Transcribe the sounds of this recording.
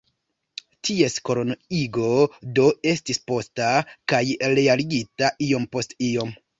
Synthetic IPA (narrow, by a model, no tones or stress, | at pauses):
tʰie̞sko̞ɾonoiɡo̞do̞e̞stispo̞stakajɾe̞aliɡitaʔio̞mpo̞stio̞m